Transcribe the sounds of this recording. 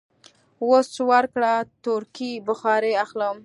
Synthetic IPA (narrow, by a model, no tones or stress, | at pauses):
wost͡ʃwaɾkɽat̪uɾkibʊxɑɾeaxləm